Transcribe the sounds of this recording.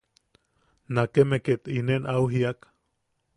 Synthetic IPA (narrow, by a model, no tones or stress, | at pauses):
nakemeket̪inenawɦiak